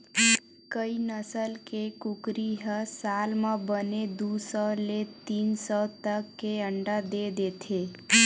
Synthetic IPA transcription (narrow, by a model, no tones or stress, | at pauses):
kəinəsəlkekukɾiɦəsalmãbəned̪usəlet̪insət̪əkːeəɳɖad̪ed̪et̪ʰe